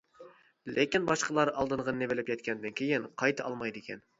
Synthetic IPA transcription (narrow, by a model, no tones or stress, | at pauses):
lʔɪkʲinbɑʃqʰəlˠɑɾɑlˠd̪ɨɴʁənnevɪlɪpjɛt̪̚kʲʰɛnd̪ɪnkʲʰejɪnqʰɑjt̪ʰɑʔɑ̰lˠmɑjd̪ɪkʲɛn